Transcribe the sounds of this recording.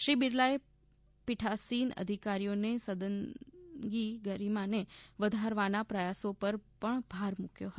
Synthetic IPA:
ʃɾibiɾlae | piʈʰasinə̰d̪ʱikaɾijonesəd̪ənɡiɡəɾimãneʋəd̪ʱaɾʋanapɾəjasopəɾpəɳbʱaɾmukjoɦət̪

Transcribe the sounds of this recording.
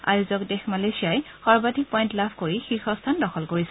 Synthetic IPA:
a̰juzɔkdɛxmalesijaj | xɔɹbatik̚pɔjntlapʰkoɹixixɔstʰandɔxɔlkoɹisɛ

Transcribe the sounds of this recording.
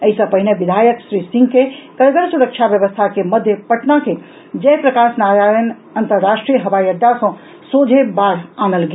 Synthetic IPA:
əisə̃pəɦineʋid̪ʱajəksɾisĩŋɡkekəɾɡəɾsuɾəkt͡ʃʰabjəʋəst̪ʰakeməd̪ʱjəpəʈnake | d͡ʒɛpɾəkasnaɾajən | ənt̪əɾːaʃʈɾijəɦəʋajəd̪ːasə̃ | sod͡ʒʱebaɾanəlɡe

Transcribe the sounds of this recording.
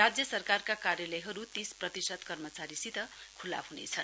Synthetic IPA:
ad͡zjʌsʌrkarkakarjalʌjɦʌɾut̪isprʌt̪isʌd̪kʌrmʌt͡saɾisit̪ʌkʰula̰bɦunḛt͡sʰʌn

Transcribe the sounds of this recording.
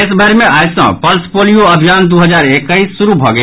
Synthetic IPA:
ɪsbʱəɾmẽʔaːjsã̰pəlspoːlijoɐbʱijaːnd̪oɦəzaːɾekːəisːʊɾubʱɔɡə

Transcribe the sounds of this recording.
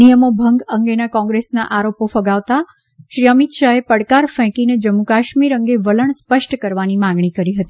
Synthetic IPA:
ijəmobʱəŋɡəŋɡenakɔ̃ŋɡɾesnaʔaɾopofəɡaʋt̪a | ʃɾiəmit̪ʃaepəɽkaɾfɛ̃kined͡ʒəmːukaʃmiɾəŋɡeʋələɳspəʃʈkəɾʋanimãŋɡɳ̃ikəɾiɦət̪i

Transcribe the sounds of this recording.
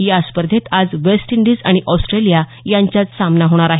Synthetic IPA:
jaspəɾd̪ʱet̪ad͡zʋesʈiɳɖiːd͡zaɽ̃iʔɔsʈɾelija | jãɲt͡ɕjat͡ssamnaɦoɽ̃aɾaɦe

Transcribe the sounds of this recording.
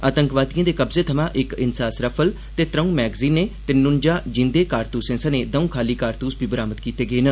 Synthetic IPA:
aːt̪əŋkʋaːd̪ijãːd̪eːkəbzeːt̪ʰəmãːʔɪkɪnsaːsɾəpʰəl | t̪eːt̪ɾəũːmɛːɡziːneːt̪eːnʊnd͡ʒaːd͡ʒɪ̃nd̪eːkaːɾt̪uːsẽːsəneːd̪əũːkʰaːliːkaːɾt̪uːsbʱiːbəɾaːməd̪kiːt̪eːɡeːnə

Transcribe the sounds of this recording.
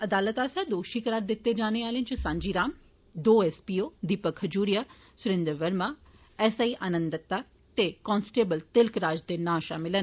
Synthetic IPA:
ɐd̪aːlət̪aːsɛːd̪oːʃiːkəɾaːɾd̪ɪt̪ːed͡ʒaːneːaːlẽnt͡ʃəsãːɲd͡ʒiːɾaːm | d̪oːɛspiːoːd̪iːpəkʰəd͡ʒuːɾijaː | sʊɾẽːnd̪əɾʋəɾmaː | ɛsaːiːʔaːnə̃nd̪ək̚t̪aː | t̪ekɔːnsʈeːbəlt̪ɪlkɾaːd͡ʒd̪eːnaːʃaːmɪlən

